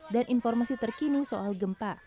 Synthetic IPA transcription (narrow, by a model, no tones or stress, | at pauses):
danʔinfɔrmasit̪ərkinisoʔalɡəmpa